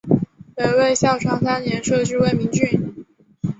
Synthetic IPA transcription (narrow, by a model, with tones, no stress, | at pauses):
pe˨˧ɪwe˥˧ɪɕjɑ˥˩ʊʈ͡ʂʰwɑ˥ŋsa˥nnjɛ˧˥nʂɤ˥˧ʈ͡ʂɻ̩˥we˥˩ɪmi˧˥ŋt͡ɕy˥˩n